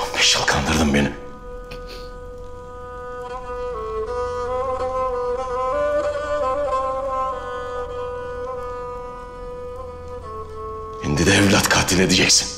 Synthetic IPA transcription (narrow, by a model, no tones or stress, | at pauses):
biʃɯlˠkʰand̪ɯɾd̪ɯmbenim | hind̪id̪ɛɛvlʲat̪kʰaːt̪ʰilʲed̪id͡ʒɛcsi̥n